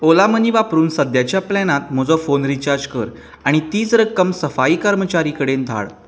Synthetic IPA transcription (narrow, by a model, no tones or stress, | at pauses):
olaməniʋapɾuːnsəd̪jat͡ɕjaplɛnat̪m̤əd͡zɔfonɾit͡ɕaɾd͡ʑkəɾ | aɽ̃it̪iːt͡sɾəkəmsəfaiːkəɾmət͡ɕaɾikəɽend̪ʱa̰ɭ